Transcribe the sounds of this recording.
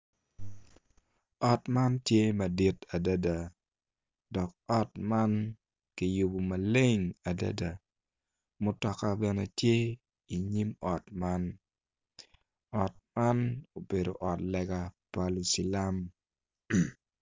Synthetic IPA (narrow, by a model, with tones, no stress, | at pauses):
ɔ˨tma˦ntje˦ma˨di˦ta˨da˦da˨ | dɔ˨k̚ɔ˦tma˦n | ki˨ju˨bu˨ma˨le˦ŋa˨da̰˦da˨ | mʊ˦tɔ˨ka˦bɛ˨ne˨tje˦ | i˨ɲi˦mɔ˨tma˦n | ɔ˨t̚ma˦no˨be˨do̰˨ʔɔ˨tlɛ˨ɡa˨pa˦lu˨si˨la˦m